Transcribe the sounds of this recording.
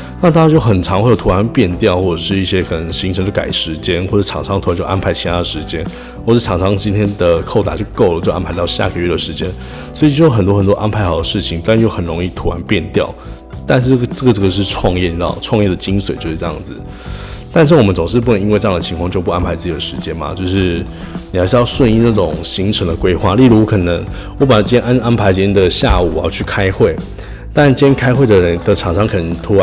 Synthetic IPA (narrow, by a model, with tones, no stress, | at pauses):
na˥˩t̪a˥˧t͡ɕjo˥˩ʊxə˨˩nʈ͡ʂʰɑ˧˥ŋxwjo˨˩ʊt̪ʰu˧wa˧˥npjɛ˥˧nt̪jɑ˥˧ʊxwɔ˥˩ʈ͡ʂə˨˩ʂɻ̩˥˧i˥˩ɕjɛ˥kʰɤ˨˩nə˧˦ŋɕi˧˥ŋʈ͡ʂʰŋt͡ɕjo˥˩ka̰˨˩ɪ˥˩ʂɻ̩˧˥t͡ɕjɛ˥nxwə˩˥˩ɑ˨˥˩ŋʈ͡ʂʰɑ˧˥ŋt̪ʰt͡ɕo˥˩ʔa̰˥npʰa˧˥ɪt͡ɕʰi˧˥t̪ʰa˧˥d̪ə˩ʂɻ̩˧˥t͡ɕjɛ˥n | xwɔ˥˩ə˩˥˩ʈ͡ʂʰɑ˨˥ŋʈ͡ʂʰɑ˧˥ŋt͡ɕi˥nt̪ʰjɛ˥nd̪ə˨˩kʰo˥˩ʊa̰˨˩t͡ɕjo˥˧ʊko˥˩ʊlə˩t͡ɕjo˥˧ʊʔa̰˥npʰa˧˥ɪt̪ɑ˥˧ʊɕja̰˥˧kʰə˨˥˦ɥɛ˥˩d̪ə˩ʂɻ̩˧˥t͡ɕjɛ˥n | swɔ˧˥i˨t͡ɕo˥˩˥xə˨˩nt̪wɔ˥xə˨˩nt̪wɔ˥ʔa˥npʰa˧˥ɪxɑ˨˩ʊd̪ə˦˩ʂɻ̩˥˩t͡ɕʰi˨˩ŋt̪jo˥˩xə˨˩nɻo˧˥ŋi˥˩t̪ʰu˧˥wa˧˦˥npjɛ˥˧nt̪jɑ˥˨˩ʊ | t̪a˥˧nʂ̩˥˧˥ʈ͡ʂə˥˩ɡə˩ʈ͡ʂə˥˩ɡə˩o˥ʂ̩ɻ̩˥˧ʈ͡ʂʰwɑ˥˧ŋjɛ˥˩ɑ̰˨˩ʈ͡ʂʰwɑ˥˧ŋjɛ˥˩d̪ə˩t͡ɕi˥nswe˨˩ɪt͡ɕo˥˧ʊʂ̩˥˧˥jɑ̰˥˩ŋd͡z̩˩ | t̪a˥˧nʂ̬̩˥˩wɔ˨˩mə˦nt͡sʊ˨˩ŋʂɻ̩˥˧pu˥˩ə˧˦ŋi˧˥nwe˥˧ʈ͡ʂɤ˥˧ɑ˥˩d̪ə˩t͡ɕʰi˧ŋkʰwɑ˥˧ŋt͡ɕjo˥˧ʊp̬u˥˩a˥npʰa˧˥ɪt͡sɹ̩ɨ˥˩t͡ɕi˨˩d̪ə˦ʂɻ̩˧˦t͡ɕjɛ˦˥nma̰˨t͡ɕjo˥˧ʊʂɻ̩˥˩ | ni˨xa˧ɪʂɻ̩˥˧jɑ˥˧ʊʂwə˥˧ni˥˧na˥˩ʈ͡ʂʊ˨˩ŋɕi˧˥ŋʈ͡ʂʰə˧˥ŋd̪ə˨˧kwe˥ɪxwa̰˥˧li˥˩ɻu˧˥˦kʰɤ˨˩nə˧˦˥ŋ | wɔ˧˥p̬a˨˩˥t͡ɕjɛ˥nʔnʔa˥npʰa˧˥ɪt͡ɕɛ˧˥˩d̪ə˨ɕja˥˩u˨˩˨jɑ˥˧t͡ɕʰy˥˩kʰa˥ɪxwe˥˩ɪ | t̪a˥˧nt͡ɕjɛ˥nkʰa˥ɪxwe˥˩ɪd̪ə˩ɻə˧˦nd̪ə˨ʈ͡ʂʰɑ˨˩ŋʂɑ˥ŋkʰə˨˩nə˧˥˩t̪ʰu˧˥